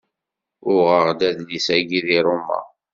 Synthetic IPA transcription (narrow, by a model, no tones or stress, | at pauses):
ʊʁəʁd̪æðlisæɡiðiɾˤʊmːæ̰